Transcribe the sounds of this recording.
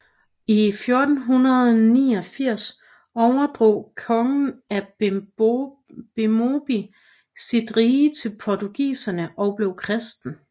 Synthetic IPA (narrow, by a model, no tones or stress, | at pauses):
ifjo̝ɐd̥n̩ɦunɐð̞̩ˠniːɒ̽fiɐ̰s | ɒʊɐd̥ʁo̰ːkʰɒ̽ŋn̩æ | b̥emob̥i | sid̥ʁiːət͡sʰe̝lpʰɒt͡sʰuɡ̥ḭːsɐnəʔɒ̽b̥le̝ʊkʰʁɛsd̥n̩